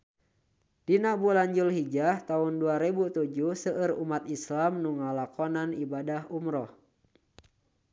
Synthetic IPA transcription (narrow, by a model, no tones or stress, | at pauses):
d̥inabulaɲd͡ʒulɦid͡ʒaht̪aunduaɾebut̪ud͡ʒuhsəʔərumat̪islamnuŋalakɔnanibadaɦumɾɔh